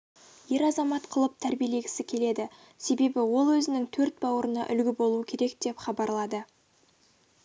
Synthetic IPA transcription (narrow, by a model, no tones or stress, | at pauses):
je̞ɾɑzɑmɑt̪qʰəlˠəp̚t̪ʰæɾbijele̞ɡʲɪsɪkʲʰe̞le̞d̪ɪ | se̞be̞bɪwo̞lˠwɵzɪnɪŋt̪ʰɵɾt̪̚bɑwəɾənɑ̰ʔʏlɡʲɪbo̞lˠuəkʲʰe̞ɾe̞k̚d̪̥e̞pχɑbɑɾlˠɑd̪ə